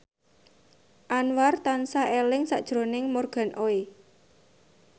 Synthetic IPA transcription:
ʔanwart̪ansaelɪŋsaʔd̥ʒ̥ɾo̤nɪŋmorɡ̥a̤nʔoe

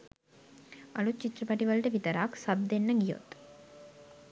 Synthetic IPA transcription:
ɐlut͡ʃːit̪ːrɐpɐʈiʋɐɭʈɐʋit̪ɐɾaːksɐb̚d̪enːɐɡijo̰t̪

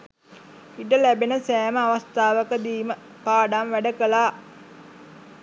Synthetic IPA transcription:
iʈəlæbenəsæːməaʋast̪aːʋəkəd̪iːmə | paːɖamʋæɖəkəlaː

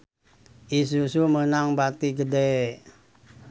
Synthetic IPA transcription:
ʔis̬usumənaŋbat̪iɡəde

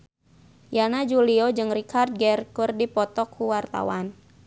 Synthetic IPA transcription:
janad͡ʒuliɔd͡ʒɨŋrikʰard̪̚ɡɛrkurdipɔt̪ɔkʰːuwart̪a̰wan

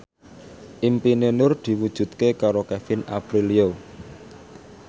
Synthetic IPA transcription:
ʔimpinenʊrd̪̥i̤wud̥ʒ̥ṳt̪̚kekaɾokɛfɪna̰bɾilio

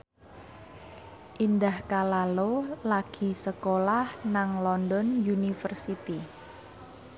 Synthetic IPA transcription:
ʔind̪ahkalalolaɡ̥i̤səkolahnaŋlɔndɔnjunifərsit̪i

